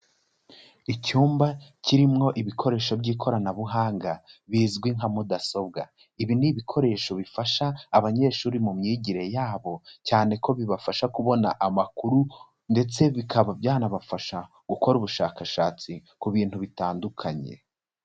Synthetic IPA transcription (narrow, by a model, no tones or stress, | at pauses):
icuːmbaciɾimŋo̞ʔiβikʰo̞ɾe̞ːʃo̞bɟiːkʰo̞ɾanaβuɦaːŋɡaβiːzɡwiŋɦamudaso̞b̚ɡa̰ | iβiniβikʰo̞ɾe̞ːʃo̞βifaʃaːβaɲe̞ːʃuːɾimumɲiːɟiɾe̞jaːβo̞caːne̞ko̞βiβafaʃakuβo̞na̰ʔamakuɾu | nde̞t͡se̞βikʰaβabjaːnaβafaʃa | ɡ̥uko̞ɾuβuʃaːkaʃaːt͡si | kuβiːn̥huβitaːndukʰaɲe̞̰